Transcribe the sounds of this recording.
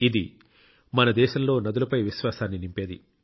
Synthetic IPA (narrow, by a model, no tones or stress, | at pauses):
id̪i | mɐnɐd̪ɛːʃɐmlo̞ːnɐd̪ulɐpɐjʋiʃʋaːsaːnːinimpe̞ːd̪ḭ